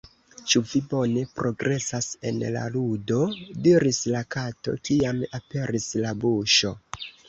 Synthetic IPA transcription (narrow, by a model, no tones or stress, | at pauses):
t͡ʃuvibo̞ne̞pɾʔo̞ɡɾʔe̞sase̞̰nla̰ludo̞diɾislakato̞̰kiamape̞ɾislabuʃo̞